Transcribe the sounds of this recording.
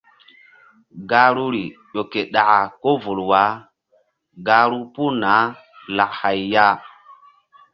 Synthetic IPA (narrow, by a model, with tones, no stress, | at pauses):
ɡa˦ɾu˦ɾi˨ɗo˨ke˨ɗa˨ʔa˨ko˦vu˨lwa˦ | ɡa˦ɾu˦pu˦na˨˦ | la˨kha˨jja˦